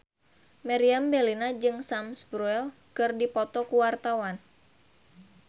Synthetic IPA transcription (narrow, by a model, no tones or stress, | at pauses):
maɾiambɛlinad͡ʒɨŋsamsbɾuɛl | kɨrdipɔt̪ɔkuwart̪awan